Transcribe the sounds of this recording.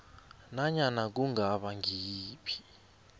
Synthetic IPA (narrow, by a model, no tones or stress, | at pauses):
naɲanak̬uŋaɓaŋʱiːpʰi̥